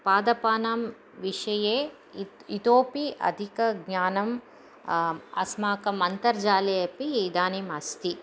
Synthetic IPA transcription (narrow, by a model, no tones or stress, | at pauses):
paːd̪ɐpaːnaːm | ʋiʂɐjeː | it̪oːpiʔɐ̰d̪ʱikɐɡɲaːnɐm | ɐ̰smaːkɐmɐnt̪ɐɾd͡ʒaːleːɐpid̪aːnimɐst̪i